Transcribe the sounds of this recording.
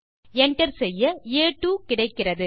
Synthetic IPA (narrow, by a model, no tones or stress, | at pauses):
ɛɳʈɐɾsɛjːɐeːʈːuːkɪɽɐɪkːɪrɐðɯ